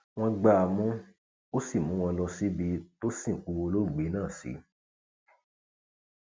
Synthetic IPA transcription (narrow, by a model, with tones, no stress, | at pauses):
w̃ɔ̃˧ɡ͡ba˧a˧mũ˦ | o˦si˦˨mũ˨˦w̃ɔ̃˧lɔ˧si˦bi˧to˦sĩ˦˨ku˨˧o˧lo˦˨ɡ͡be˨˦nãː˦˨sḭ˨˦